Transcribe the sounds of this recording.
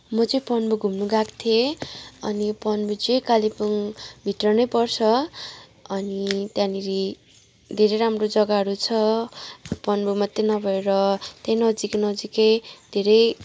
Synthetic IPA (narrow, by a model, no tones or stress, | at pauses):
mʌt͡sʌj̃pʌnbuɡʱumnuɡakt̪ʰeʌnipʌnbud͡zejkalipuŋbʱiʈrʌnʌjpʌrt͡sʰʌ | ʌnit̪jãniɾi | d̪ʱeɾʌjɾamrod͡zʌɡaɦʌɾut͡sʰʌ | pʌnbumʌt̪ːenʌbʱʌeɾʌt̪jãjnʌd͡zikenʌd͡zikʌjd̪ʱeɾʌj